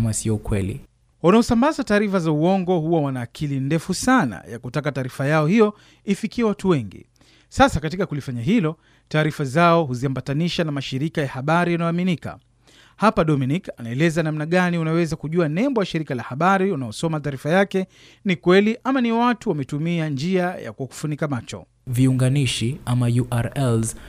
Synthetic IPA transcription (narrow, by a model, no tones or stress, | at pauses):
masiɔukwɛlḭ | wanaɔsambazataːɾifazauɔŋɡɔhuwawanaːkʰilindɛfusana̰ja̰kutakataːɾifajaɔhijɔ | ifikiɛwatuwɛŋɡḭ | sasakatikakulifaɲaɦilɔ | taːɾifazaɔɦuziambataniʃanamaʃiɾikajahaɓaɾijanaɔaminika̰ | hapaɗɔminikanaɛlɛzanamnaɠaniunawɛzakuʄuanɛmbɔjaʃiɾikalahaɓaɾiunaɔsɔmataːɾifajakɛ | nikwɛliʔamaniwatuwamɛtumiand͡ʒiaja̰kuɔku̥funikamat͡ʃɔ̰ | viuŋɡaniʃiamajuʔaɾɛlz